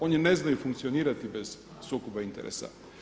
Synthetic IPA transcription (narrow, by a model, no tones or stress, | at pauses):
onineznajufuŋkt̪sioniːɾat̪ibez̥ | sukubaint̪eɾʔḛsa̰